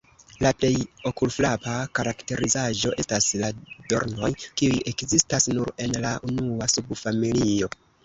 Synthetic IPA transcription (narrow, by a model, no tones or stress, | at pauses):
laple̞jo̞kulflapakaɾakte̞ɾizaʒo̞ʔe̞staslado̞̰ɾno̞jkiujʔe̞kzistasnuɾe̞nlaʔunuasubfamilio̞